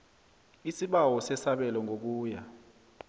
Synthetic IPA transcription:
isiɓawɔsɛsaɓɛlɔŋʱok̬uːja

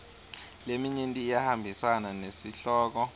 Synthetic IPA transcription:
lemiɲintʼiːjahambʱisananesiɬɔːk̬ɔ

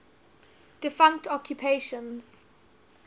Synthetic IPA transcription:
d̥ɪfãŋk̚tʰɔkʰjupʰeʃɔ̃nz̥

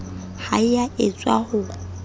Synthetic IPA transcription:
ha̰ɪjaɪt͡sʼwa̰hʊ

